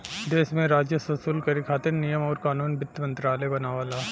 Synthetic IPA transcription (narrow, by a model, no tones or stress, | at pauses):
d̪eːʃmẽɾaːd͡ʒjəsɐsuːlkɐɾikʰaːt̪ɪnnijəmɔːɾkaːnuːnbɪt̪ːmɐ̃nt̪ɾaːlebɐnaːʋaːlaː